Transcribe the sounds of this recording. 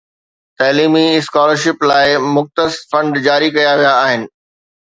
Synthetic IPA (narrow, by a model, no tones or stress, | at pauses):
t̪ɐːliːmiɪskɔːləɾʃɪplaːɪmʊxt̪əsfɐ̃ɳɖd͡ʑaːɾikɐjaʋijaːɦɪnɪ̆